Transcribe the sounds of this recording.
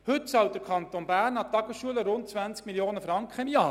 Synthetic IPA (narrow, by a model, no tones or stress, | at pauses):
hɵtt͡sɑwtd̥əɾkʰɑnt̪onbæːɾnɑt̪ːɑɡəsʃuələɾʊnt̚t͡sʋænt͡skmiljoːnəfɾɑŋkχəɪmjɑː